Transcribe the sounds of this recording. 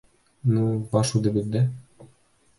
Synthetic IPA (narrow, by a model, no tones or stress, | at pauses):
nubɑʃud̪ɘ̆bɘ̆zd̪æ